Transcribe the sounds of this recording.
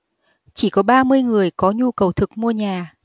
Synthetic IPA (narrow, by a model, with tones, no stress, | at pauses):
t͡ɕi˧˩kɔ˨˦ɓaː˧mɨ˧əjŋɨ˨˩əjkɔ˨˦ɲu˧kə˨˩wt̪ʰɨ˨˩k̚mu˧əɲaː˨˩